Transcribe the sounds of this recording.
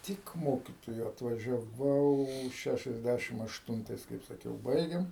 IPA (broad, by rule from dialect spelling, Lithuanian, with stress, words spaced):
ˈtʲɪk ˈmoːkʲɪtoːjʊ ɐtʋɐʒʲɛˈʋɐʊ ˈʃʲæʃʲɛzʲˌdʲæʃʲɪm ɐʃˈtʊntɐɪs kɐɪp sɐˈkʲɛʊ ˈbɐɪɡʲeːm